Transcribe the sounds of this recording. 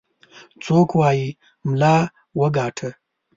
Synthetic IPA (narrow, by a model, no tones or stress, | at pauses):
t͡soːkwɑːji | mlɑː | wəɡɑːʈʰə